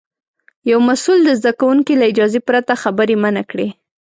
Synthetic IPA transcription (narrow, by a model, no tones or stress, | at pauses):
jawmasuld̪əzd̪akawuŋkilaɪd͡ʒɑzepɾat̪axabəɾemanakɽe